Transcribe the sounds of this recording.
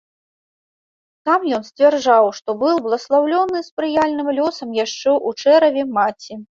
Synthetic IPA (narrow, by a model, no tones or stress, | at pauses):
t̪amjɔnsʲt͡sʲvʲɛrd͡ʐawʂt̪ɔbɨw̪ˠblˠɐslˠawlʲɔnɨspɾɨjalʲnɨmlʲɔsɐmjaʂt͡ʂɛʔut͡ʂɛɾɐvʲɛmat͡sʲi